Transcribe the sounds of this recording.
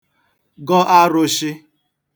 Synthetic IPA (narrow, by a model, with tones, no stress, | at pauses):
ɡɔ˦ʔa˦ɾʊ˦ʃɪ˦